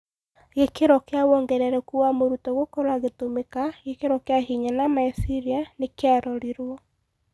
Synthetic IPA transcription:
ɣekeɾɔkeawɔŋɡɛɾɛɾɛkuamoɾutɔɣokɔɾwaɣetomekaɣekeɾɔkeaɦiɲanamaisiɾianekeaɾɔɾiɾwɔ

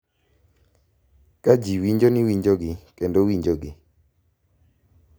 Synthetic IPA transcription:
kad͡ʒiwiɲd͡ʒonɪwiɲd͡ʒoɡɪkendowiɲd͡ʒoɡɪ

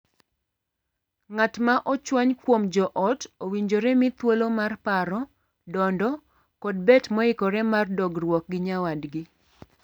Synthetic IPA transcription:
ŋatmaʔɔt͡ʃwaɲkwomd͡ʒɔʔɔtowiɲd͡ʒoɾɛmɪt̪wolomarpaɾɔ | dɔndɔ | kɔd̚bɛtmɔɪkɔɾɛmardɔɡrwɔk̚ɡɪɲawadɡɪ

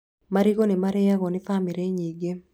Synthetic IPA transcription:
maɾiɡonɪmaɾɛjaɣɔnɪfamiɾeɲiɡe

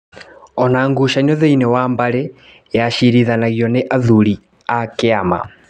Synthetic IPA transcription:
ɔnaːŋɡuʃanɔðɛinɛwambaɾɛ | jaʃiɾiðanaɣjɔnɛʔaðuli | akeama̰

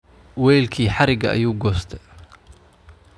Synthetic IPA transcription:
wɛːjlkʰiːħɑɾɪɡɐ̰ʔɐ̰juːɡɔːst̪ʰɛ

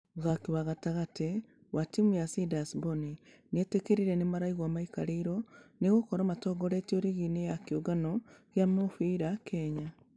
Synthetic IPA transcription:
ɣakiwaɣataɣate | watimujasidasboni | netekeɾiɾɛnemaɾaiɣwamaikaɾeiɾɔneɣokɔɾamatɔːɡɔɾetioɾiɣinejakoɡanɔɣjamofiːɾakʰɛɲa

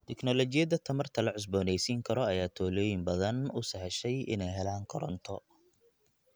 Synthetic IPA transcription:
t̪ʰɪknɔlɔt͡ʃɪjɐðɐt̪ʰɐmɐrt̪ʰɐlɐʕʊs̬bɔːnɛjsiːŋkʰɐɾɔɐjaːt̪ʰɔːlɔːjɪmbɐðɐnʊsɐħɛʃɛjɪ̰nɛjɦɛlaːŋkʰɔɾɔ̰nt̪ʰɔ

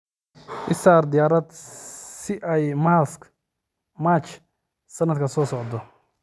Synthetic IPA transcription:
ʔɪsaːɾd̪ɪjaːɾɐd̪sɪʔajmalsk | mat͡ʃ | sɐnːɐd̪kʰɐsɔːsɔʕd̪ɔ

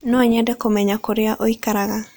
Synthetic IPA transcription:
nɔɲɛdɛkomɛɲakoɾɪaʔoikaɾaɣa

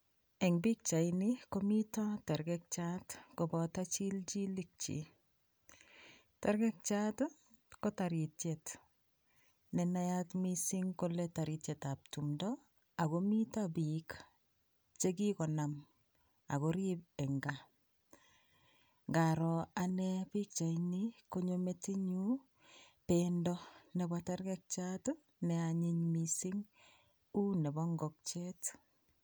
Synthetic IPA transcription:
ɛŋbik̚t͡ʃainikomitɔtɛɾɡɛk̚t͡ʃatkɔbɔtat͡ʃild͡ʒilik̚t͡ʃḭ | tɛɾɡɛk̚t͡ʃat | kɔtaɾitjet | nɛnajatmisiŋkoletaɾitjetap̚tumdɔ | aɣomitabik | t͡ʃekikɔnam | a̰koɾibɛŋɡa | ŋɡaɾɔanɛpik̚t͡ʃainikoɲometiɲu | pendɔnɛbataɾɡɛk̚t͡ʃato | nɛaɲiɲmisiŋ | unebɔŋɡɔk̚t͡ʃet

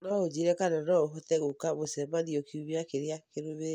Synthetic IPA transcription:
nɔod͡ʒeɾɛkanɛnɔoɦɔtɛɣokaβosɛmaniokiuβiakeɾeakeɾoβe

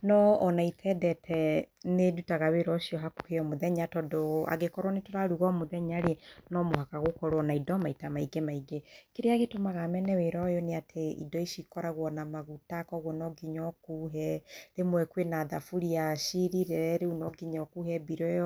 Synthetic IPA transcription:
nɔːnaitʰɛdɛtʰɛnedutaɣaweɾɔʃiɔɦaku̥heɔmoðɛɲatɔdɔa̰ɡekɔɾwanetoɾaɾuɣɔmoðɛɲaɾenɔmoɦakaɣokɔɾwɔnaidɔmaitamaiɡemaiɡekeɾeaɣetomaɣamɛnɛweɾɔjɔneatʰeḭdɔiʃikɔɾaɣwɔnamaɣutakɔɣwɔnɔɡiɲɔkuɦɛɾemwɛkwenaðafuɾiaʃiɾiɾeɾɛɾeunɔɡiɲɔkuhɛbiɾɔjɔ

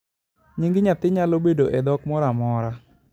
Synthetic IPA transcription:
ɲiŋɡɪɲat̪ɪɲalobedoʔɛd̪ɔkmɔɾamɔɾa

